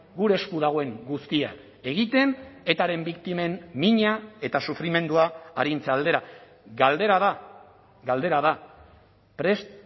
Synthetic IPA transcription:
ɡuɾe̞ːskuð̞aɣ̞o̞e̞ŋɡust̪ia̰ | e̞ɣ̞it̪e̞ne̞t̪aɾe̞mbikt̪ime̞nmiɲae̞t̪asufɾime̞nd̪uaːɾint͡seald̪e̞ɾa | ɡald̪eɾaða | ɡald̪e̞ɾaða | pɾe̞s

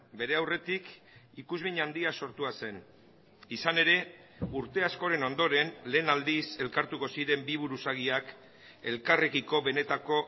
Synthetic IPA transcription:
be̞ɾe̞awre̞t̪ik | ikuzβiɲand̪iaso̞ɾt̪uase̞n | isane̞ɾe̞ | uɾt̪e̞asko̞ɾe̞no̞nd̪o̞ɾe̞nle̞ːnald̪ise̞lkaɾt̪uko̞siɾe̞mbiβ̞uɾusaɣiak | e̞lkarekiko̞βe̞ne̞t̪ako̞

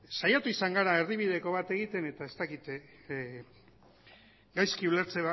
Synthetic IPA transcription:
sajat̪uisaŋɡaɾaerðiβiðe̞ko̞βat̪e̞ɣ̞it̪e̞ne̞t̪ae̞st̪akit̪ | ɡajskiule̞ɾt͡seβa

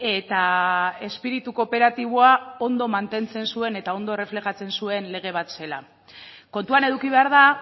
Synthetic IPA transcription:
e̞t̪ae̞spiɾit̪uko̞pe̞ɾat̪iβ̞oao̞nd̪o̞mant̪e̞nt͡se̞nsue̞ne̞t̪ao̞nd̪o̞ere̞fle̞xat͡se̞nsue̞nle̞ɣ̞e̞β̞at̪se̞la̰ | ko̞nt̪uane̞ðukiβe̞aɾða

